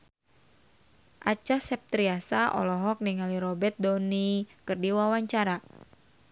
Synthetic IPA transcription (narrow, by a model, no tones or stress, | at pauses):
ʔat͡ʃasɛp̚t̪ɾiasaʔɔ̰lɔɦɔk̚niŋaliɾɔbɛt̪̚dɔnikɨrdiwawaɲt͡ʃaɾa